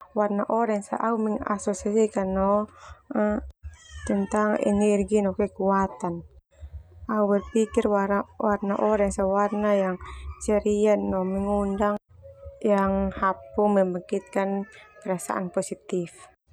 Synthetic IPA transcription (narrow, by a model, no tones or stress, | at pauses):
warnaʔɔɾɛŋsaʔaumɛŋa̰sɔsasikanːɔ | t̪ɛnt̪aŋɛ̰nɛrɡinɔkɛkuat̪an | auwɛrpikirwawarnaʔɔɾɛŋsawarnajaŋt͡ʃɛɾiannɔmɛŋundaŋ | jaŋhapumɛmbakit̪̚kanpɛɾasa̰ʔa̰npɔsit̪if